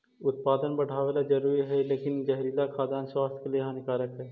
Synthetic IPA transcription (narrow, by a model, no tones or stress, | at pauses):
ʊt̪̚paːd̪ənbɐɽ̤ʱaːʋeːlad͡ʒɐɾuːɾiɦɛleːkɪnd͡ʒɛɦɾilakʰaːd̪aːnswaːst̪ʰkelijɦãnɪkaːɾəkɦɛː